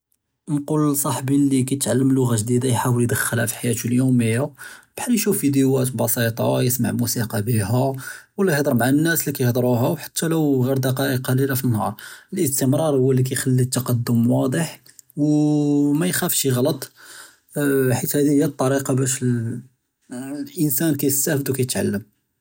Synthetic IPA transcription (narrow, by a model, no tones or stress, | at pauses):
nqulsˤɑħbilikæjət̪ʕalːəmlːʊɣaʒd̪id̪ajħawəld̪əxːəlhæfi̥ħajæt̪uljuməjːab̥ħanjʃufːid̪ewæt̪bɑsˤit̪ˤɑjəsma̰ʕmusiqɑbiɦæwəlːæjhd̪ˤəɾˤbʕanənːæslikæjəhd̪ˤɾuɦæwħḁt̪ʰːæləwɣiɾd̪ɑqɑʔəqːɑlilafinːhɑ̰ɾˤəlʔəst̪əmɾˤɑɾˤhʊwːælːik̬æjxælːit̪ːɑqɑd̪ːʊmwɑd̪ˤəħ | w | mæjxæfʃiɣlɑt̪ˤ | ħit̪hæd̪ihəjːæt̪ˤːɑɾiqɑbæʃl | ʔənsænkæjst̪æfəd̪wkæjət̪ʕa̰lːəm